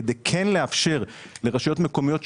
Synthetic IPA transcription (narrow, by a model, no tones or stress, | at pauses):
ed̪ekʰenleafʃe̞ʁle̞ʁaʃajo̞t̪meko̞mijo̞t